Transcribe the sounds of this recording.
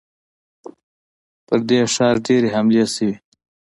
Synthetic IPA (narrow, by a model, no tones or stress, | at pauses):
pəɾd̪eʂɑːɾɖeɾeɦamliesiwi